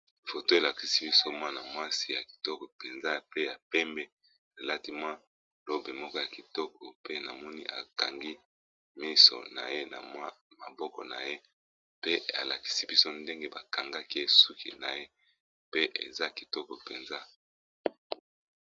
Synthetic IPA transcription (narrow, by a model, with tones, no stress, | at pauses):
fo˨to˦e˨la˨ki˨si˦bi˦so˦mwa˦na˨mwa˦si˦ja˨ki̥˨tɔ˦kɔ˨pe˨nza˦pe˦a˨pɛ˦mbɛ˦ | a˨la˦ti˦mwa˦ | lo˦be˨mɔ˦kɔ˦ja˨ki˨tɔ˦kɔ˨pe˦na˨mɔ˦ni˦ʔa̰˨ka˨ŋɡi˦ | mi˦so̰˨na̰˨je˦na̰˨mwa˦ma̰˨bɔ˦kɔ̰˨na̰˨je˦ | pe˦a̰˨la˨ki̥˨˦si˦bi˦so˦nde˦ŋɡe˦ba˨ka˨ŋɡa˦ki˦e˦su˦kḭ˨na˨je˦ | pe˦ʔḛ˨za˦ki˨tɔ˦kɔ˨pe˨nza˦